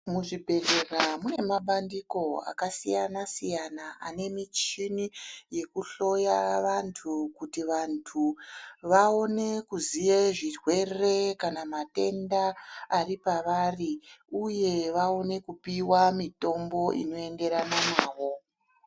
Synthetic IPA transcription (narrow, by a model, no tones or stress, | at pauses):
muʐibʱe̞ɮe̞ramune̞maɓandiko̞a̰kasijanasijanaa̰ne̞mit͡ʃinije̞kuɬo̞jaʋantʰukutiʋantʰuʋao̞ne̞kuzije̞ʐirwe̞re̞kanamate̞ndaːripaʋariuje̞ʋao̞ne̞kupiwamito̞mbo̞ʔḭno̞e̞ŋɡe̞ɾananaːʋo̞